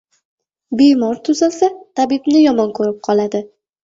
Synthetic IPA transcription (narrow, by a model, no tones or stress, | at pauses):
bejmɒɾt̪ʰʊzalsat̪ʰabɪbnɪjɒmɒnkʰɵɾɪp̚qʰɒlˠad̪ɪ